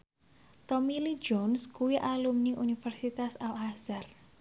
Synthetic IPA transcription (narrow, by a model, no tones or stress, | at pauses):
t̪ɔmili̥d͡ʒɔnskuwiʔalumniʔunifɛrsit̪asalhazar